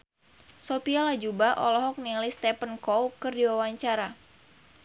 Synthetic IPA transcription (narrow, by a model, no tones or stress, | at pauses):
sopialad͡ʒubaʔɔlɔɦɔk̚nilist̪ɛpənkɔwkɨrdiwawaɲt͡ʃaɾa